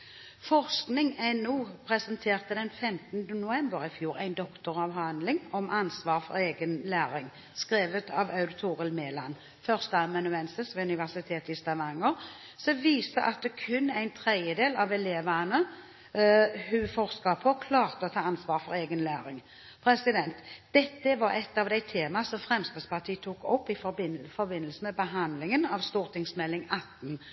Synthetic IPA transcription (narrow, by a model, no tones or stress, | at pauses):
fɔʁsknɪŋænuːpʰɾɛsənt̪ʰeːʁt̪əd̪ɛnfɛmt̪nd̪ənʊɛmbəɾɪfjuːɾæ̰ɪnd̪ɔkt̪ʊʁɑʋɦɑnd̪lɪŋɔmʔɑnsʋɑːʁfɔ̰ɾeːɡənlæːɾɪŋ | skʁeːʋət̪ʰɑʋɑʉd̪ɪt̪ʰuːʁəlmeːlɑn | fœʁst̪əɛmɑnʉɛnsəsʋɛʉnɪʋæʁsɪt̪ʰeːt̪ɪst̪ɑʋɑŋːəʁ | sɔʋiːsəʔɑt̪̚d̪ɛkʰʉnːæɪnt̪ʰɾɛd̪jəd̪eːlɑʋɛleːʋənə | hʉfɔʁskɑpʰɔkʰlɑːʁt̪əɔt̪ʰɑːɑnsʋɑːɾfɔɾeːɡənlæːɾɪŋ | pʰɾɛsɪd̪ɛnt̪d̪̥ɛt̪ːəʋɑɾɛt̪ːɑʋd̪æɪt̪ʰeːmɑsɔmfʁɛmst̪əspɑʁt̪ʰiːət̪ʰuːkɔpːɪfbɪfɔɾbɪnːəlsəmɛbəɦɑnd̪lɪŋənɑʋst̪uːʁt̪ɪŋsmɛlːɪŋɑt̪ːn̩